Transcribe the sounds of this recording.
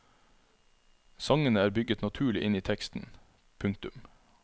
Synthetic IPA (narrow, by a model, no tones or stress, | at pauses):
sɑŋənəæːɾbʏɡət̪nɑt̪ʰʉːɭɪʔɪniːt̪ʰɛkst̪n̩ | pʰʉŋkt̪ʉm